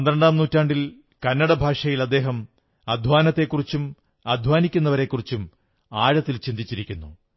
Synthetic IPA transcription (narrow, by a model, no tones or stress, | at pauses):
ɐnd̪ɾɐɳɖaːmnuːtːaːɳɖil | kɐnːɐɽɐbʱaːʂɐjilɐd̪ːe̞ːɦɐm | ɐd̪ʱʋaːnɐt̪ːe̞kːurit͡ɕːum | ɐd̪ʱwaːnikʲːunːɐʋɐɾe̞kːurit͡ɕːum | aːɻɐt̪ːilt͡ɕind̪ʱit͡ɕːiɾikʲːunːu